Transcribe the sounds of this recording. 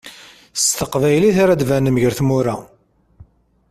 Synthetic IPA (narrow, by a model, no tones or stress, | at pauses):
st̪əqvæjliθaɾæd̪vænəməʝəɾθmuɾa